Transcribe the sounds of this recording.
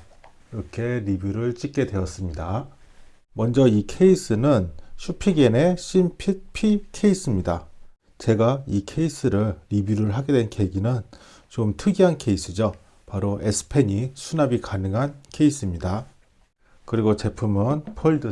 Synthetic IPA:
iɾʌkʰe̞ɾibjuɾɯɭt͡ɕ͈ik͈̚e̞dwe̞ʌs͈ɯmɲida | mʌnd͡ʑʌikʰe̞is͈ʰɯnɯnɕʰupʰiɡene̞ɕ͈impʰit̚pʰikʰe̞is͈ɯmɲida | t͡ɕe̞ɡaikʰe̞is͈ʰɯɾɯɭɾibjuɾɯɭɦaɡe̞dwe̞nke̞ɡinɯn | t͡ɕomtʰɯɡiɦankʰe̞is͈ʰɯd͡ʑo | paɾoe̞sʰɯ̥pʰe̞ɲisʰunabikanɯŋɦankʰe̞is͈ɯmɲida | kɯɾiɡot͡ɕe̞pʰumʌnpʰoɭdɯ

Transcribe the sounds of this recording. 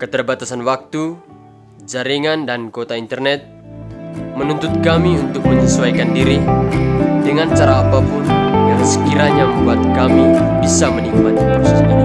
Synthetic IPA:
kət̪ərbat̪asanwak̚t̪u | d͡ʒaɾiŋandankot̪aint̪ərnɛt̪̚ | mənunt̪ʊt̪̚kamiunt̪ʊk̚məɲisuaikandiɾi | dəŋant͡ʃaɾaːpapʊnjaŋsə̥kiɾaɲaməmbuat̪̚kamibisaməniŋumat̪i | ski

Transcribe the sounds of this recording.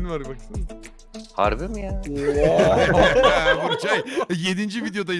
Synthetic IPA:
nvaɾbaksɯn | ha̰ɾbimija | vuɾt͡ʃajje̞d̪ind͡ʒivid̪ejo̞d̪aji

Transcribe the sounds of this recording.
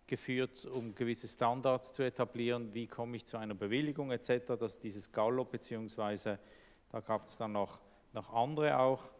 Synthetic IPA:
ɡ̥əfyːɐtʊmɡəvɪsəstandaɐst͡suetʰabliːʁənviːkʰɔməɪçt͡suaɪnɐbəvɪlɪɡʊŋɛt͡sɛtəʁadasd̥iːzəsɡ̥alobət͡siːʊŋsv̥aɪzə | d̥aːɡ̥aːbə̥sd̥anːɔχ | nɔχʔandəʁəʔaʊx

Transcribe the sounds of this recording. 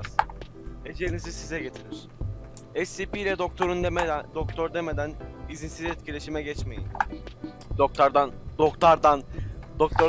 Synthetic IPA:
z | ed͡ʒenizizsizɛɟe̞t̪ʰiɾiɾ̥ | ɛsːipilʲɛd̪ok̚t̪ʰoɾund̪okt̪ʰoɾd̪emed̪ænizinsizɛt̪̚cʰilʲe̞ʃimɛɟɛt͡ʃme̞jḭm | d̪ok̚t̪ʰaɾd̪and̪okt̪aɾd̪and̪ok̚t̪ʰoɾ

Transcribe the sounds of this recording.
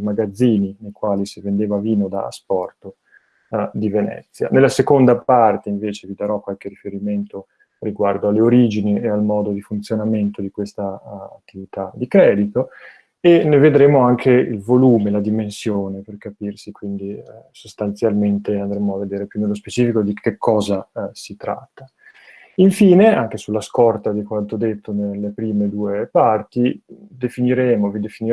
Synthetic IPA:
maɡad̪zːiːninejkwaːlisivend̪eːvaviːnod̪a̰spɔrt̪o | d̪ivenɛ̰t̪sːja̰nelːasekond̪apart̪eiɱveːt͡ʃevid̪aɾɔkwalkeɾifeɾiment̪o | riɡward̪oalːeoɾiːd͡ʒiniealmɔːd̪od̪ifunt̪sjonament̪od̪ikwest̪a̰ːt̪ːivit̪ad̪ikɾɛːd̪it̪o | eneved̪ɾeːmoaŋkʰeḭlvoluːmelad̪imensjoːneperkapirsikwind̪isost̪ant̪sjalment̪eand̪ɾɛmoavːed̪eːɾepjunelːospet͡ʃiːfikod̪ikʰekʰːɔːzasit̪ɾa̰t̪ːa | iɱfiːneaŋk̟esulːaskɔrt̪ad̪ikwant̪od̪et̪ːonelːepɾiːmed̪uːepart̪id̪efiniɾeːmovid̪efini

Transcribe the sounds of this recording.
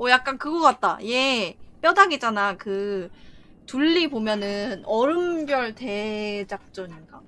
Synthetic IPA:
ʌjak̚k͈ankɯɡʌk͈at̚t͈a̰je̞p͈jʌdaɡed͡ʑanakɯ | tuɭːibomjʌnɯnʌɾɯmbjʌɭte̞d͡ʑak̚t͡ɕ͈ʌɲiɡ͈a

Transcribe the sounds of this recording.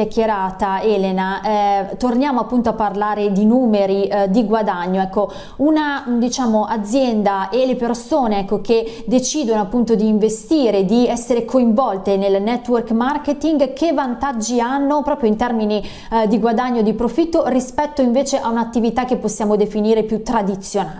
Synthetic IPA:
jakːjeɾaːt̪aɛːlenaʔɛt̪ornjaːmoapːunt̪oapːarlaːɾed̪inuːmeɾid̪iɡwad̪aɲːoɛkːo | unad̪it͡ʃaːmoʔad̪zːjɛnd̪aelepeɾsoːneɛkːoked̪et͡ʃiːd̪onoapːunt̪od̪iːɱvest̪iːɾed̪iɛsːeɾekʰoiɱvɔlt̪enelnɛt̪ːwɛrkmarket̪iŋɡkevant̪ad͡ʒːianːopɾɔːpɾjoint̪ɛrmini | d̪iɡwad̪aɲːod̪ipɾofit̪ːorispɛt̪ːoiɱveːt͡ʃeʔaunat̪ːivit̪akːepːosːjaːmod̪efiniːɾepjut̪ːɾad̪it̪sːjona

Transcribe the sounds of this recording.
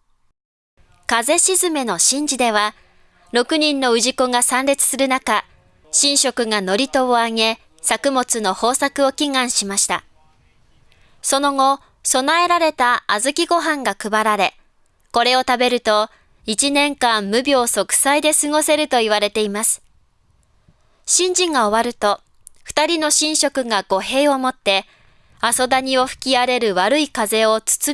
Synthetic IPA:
kaze̞ɕizɨme̞no̞ɕĩɲ̟d͡ʑid̪e̞β̞a | ɾo̞kɯ̟ɲ̟ĩnːo̞ɯ̟ʑiko̞ŋasãnɾʲet͡sɨ̥sɨɾɯ̟naka | ɕĩɰ̃ɕo̞kɯ̟ŋano̞ɾʲit̪o̞ːaŋe̞ | sakɯ̟mo̞t͡sɨno̞ho̞ːsakɯ̟o̞kʲiŋãɰ̃ɕimaɕi̥t̪a̰ | so̞no̞ɡo̞ | so̞nae̞ɾaɾe̞t̪aazɨkʲiɡo̞ɦãŋɡakɯ̟baɾaɾe̞ | ko̞ɾe̞o̞t̪abe̞ɾɯ̟t̪o̞ | it͡ɕinẽ̞ŋkãmːɯ̟bʲo̞ːso̞kɯ̟̥said̪e̞sɨŋo̞se̞ɾɯ̟t̪o̞iβ̞aɾe̞t̪e̞imasɨ̥ | ɕĩɲ̟d͡ʑĩŋɡao̞βaɾɯ̟t̪o̞ | ɸɯ̟̥t̪aɾʲino̞ɕĩɰ̃ɕo̞kɯ̟ɡaɡo̞ɦe̞ːo̞mo̞t̪ːe̞ | aso̞d̪aɲ̟ioɸɯ̥kʲiaɾe̞ɾɯ̟βaɾɯ̟ikaze̞o̞t͡sɨ̥t͡sɨ

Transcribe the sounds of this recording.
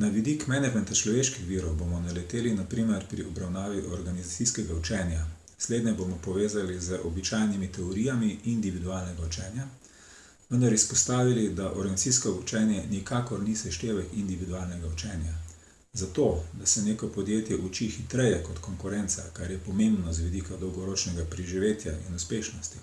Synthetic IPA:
naʋid̪ikmɛnɛd͡ʒmɛnt̪at͡ʃlɔʋeːʃkixʋiːɾɔwbomɔnalɛt̪eːlinapɾiːmɛɾpɾiɔbɾawnaːʋiʔɔɾɡanizat̪iskɛɡaut͡ʃɛːnjansleːd̪nɛbomɔpɔʋeːzalizəʔɔbit͡ʃajnimit̪ɛɔɾiːjamiind̪iʋid̪uaːlnɛɡaut͡ʃɛːnja | ʋənd̪aɾispɔst̪aːʋilid̪aʔɔɾɡanit͡s̪siskɔut͡ʃɛːnjɛnikaːkɔɾnisɛʃt̪eːʋɛkind̪iʋid̪ualnɛɡaut͡ʃɛnja | zat̪od̪asɛnjeːkɔpɔd̪jeːt̪jɛʔut͡ʃixit̪ɾɛjɛkɔt̪kɔŋkuɾɛntsa̰kaɾjɛpɔmẽmbnɔzʋid̪ikad̪ɔwɡɔɾoːt͡ʃnɛɡapɾiʒiʋeːt̪ja̰ʔḭnuspeːʃnɔst̪i̥

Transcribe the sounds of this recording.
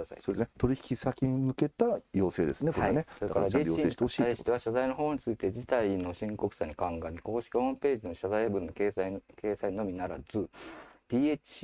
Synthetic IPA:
asa̰soːd̪esɨnet̪o̞ɾʲiçi̥kʲisakʲiɲ̟imɯ̟ke̞t̪ajo̞ːse̞ːd̪e̞sɨnekoɾaanesoɾeakaɾadjoseːɕit̪eoɕiːaiɕit̪e̞aɕazaino̞ɦo̞ːɲ̟it͡sɨit̪e̞d͡ʑit̪aino̞ɕĩŋko̞kɯ̟saɲ̟ikãŋɡãɲ̟iko̞ːɕi̥kʲihõ̞mpe̞ːd͡ʑino̞ɕazaibɯ̟̃nːo̞keake̞ːsaiɲno̞mʲinaɾad͡zɨd̪̥ʲiet͡ɕi

